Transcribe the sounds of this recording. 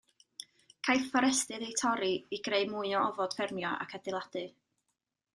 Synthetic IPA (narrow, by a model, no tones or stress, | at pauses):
kʰajθfɔɾɛstɨðejtʰɔɾiiɡreɨmʊɨɔɔvɔd̥fɪrmjɔʔa̰kʰadɪlˠad̥ɨ